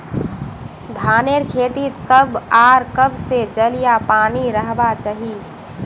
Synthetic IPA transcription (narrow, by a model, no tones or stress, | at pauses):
d̪ʱaːneɾkʰeːt̪it̪kəbaːɾkəbsed͡ʒəlijapaːniɾəɦbat͡ʃaɦi